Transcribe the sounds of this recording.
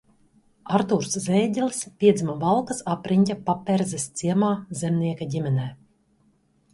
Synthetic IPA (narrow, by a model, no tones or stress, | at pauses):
aɾt̪uɾszɛːɟʲɛlʲspʲiɛd̪zimavalˠkasapɾʔiɲʲcʲapapʲːɛɾzɛst̪siɛmaːzʲɛmniɛkaɟʲimʲɛnɛː